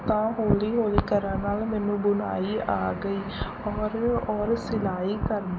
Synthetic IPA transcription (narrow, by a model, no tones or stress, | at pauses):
t̪ãːɦoːliːɦoːliːkəɾãːnaːlmɛːnũːbʊna̰ːiːʔaːɡəiː | ɔːɾɔːɾsɪlaːiːkəɾn